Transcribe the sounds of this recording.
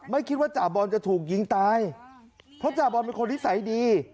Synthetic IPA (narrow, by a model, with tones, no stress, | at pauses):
ma˥˩jkʰi˦˥t̪̚waː˥˩t͡ɕaː˨˩bɔː˧nt͡ɕa˨˩t̪ʰuː˨˩k̚ji˧ŋt̪aː˧j | pʰɾɔ˦˥t͡ɕaː˨˩bɔː˧nmi˧kʰo˧nwi˦˥sa˨˩˦jdiː˧